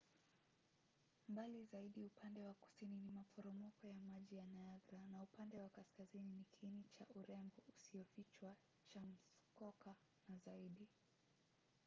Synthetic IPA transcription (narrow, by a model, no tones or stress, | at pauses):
mbalizaiɗiupʰandɛwaku̥sininimapɔɾɔmɔkɔjamaʄijanaaɡɾanaupandɛwakaskazininikʰinit͡ʃaʔuɾɛmbɔusiɔfit͡ʃwa | t͡ʃam̩skɔka | nazaiɗi